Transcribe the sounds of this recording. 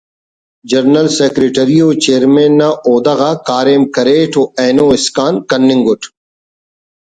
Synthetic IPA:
d͡ʒɐɾnɐlseːkɾeʈɐɾijoːt͡ʃeːɾmẽːnːaoːd̪ɐɣakaːɾeːmkɐɾeːʈʰoeːnoːɪskaːnkɐnːɪ̃ŋɡʊʈʰ

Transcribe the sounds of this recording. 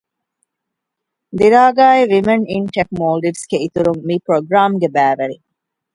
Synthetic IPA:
d̪iɾaːɡaːeʋimɐninʈek̚moːlɖiʋsɡeit̪uɾumːiːpɾoɡɾaːmɡebæːʋɐɾi

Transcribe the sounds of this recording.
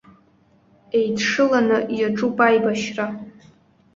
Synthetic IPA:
e̞jdʰʂɨlanɨjaʈ͡ʂʼupʼajbaʃra

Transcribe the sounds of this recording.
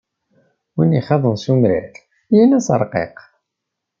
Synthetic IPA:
winiχɑðˤənsumɾḭθ | jænæsə̰ɾˤqḛq

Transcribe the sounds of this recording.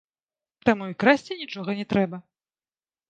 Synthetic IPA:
t̪amuikɾasʲt͡sʲinʲit͡ʂɔɣɐnʲɛt̪ɾɛbɐ

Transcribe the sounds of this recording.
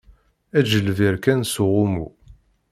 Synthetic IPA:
æd͡ʒəlviɾkænsʊʁʊmu

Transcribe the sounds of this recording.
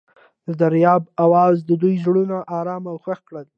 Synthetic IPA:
d̪əd̪aɾjɑbawɑzd̪əd̪ujzɽunaʔɑɾɑmawxaxkɽəl

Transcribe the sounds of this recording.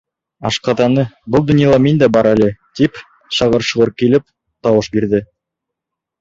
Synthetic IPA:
ɑʃqɑðɑnɤbɤlˠd̪ɵ̆njɑlˠɑmind̪æbɑɾælɘt̪ip | ʃɑʁɤɾʃɤ̆ʁɤɾkilɘp̚ | t̪ɑwɤʃbiɾd̪ɘ

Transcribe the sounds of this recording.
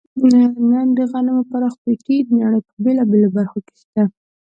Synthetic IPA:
anand̪əɣanamopaɾɑxpekid̪naɽ̃əjpəbelabelobaɾxoke̥ʃt̪a

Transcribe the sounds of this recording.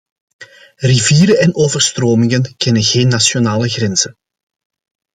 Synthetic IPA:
riviːɾəɛnoːvərstroːmɪŋənkɛnənɣeːnːasjonaːləɣrɛnz̥ən

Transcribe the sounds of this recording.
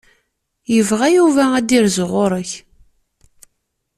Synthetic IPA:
jəvʁæjuvææd̪iɾzʁʊɾˤəç

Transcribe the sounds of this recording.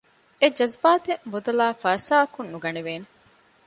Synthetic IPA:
ed͡ʒɐzbaːt̪emud̪ɐlaːfɐːsaːkunːuɡɐneʋeːne

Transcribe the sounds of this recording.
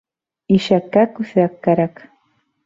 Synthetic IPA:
iʃakakʊsakaɾak

